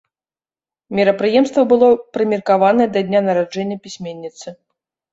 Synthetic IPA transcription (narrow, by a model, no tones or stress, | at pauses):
mʲiɾɐpɾɨjɛmst̪vɐbɨlˠɔpɾɨmʲirkavanɐjɛd̪ɐd̪ʲnʲanɐɾad͡ʐɛnʲːɐpʲisʲmʲenʲːit̪sɨ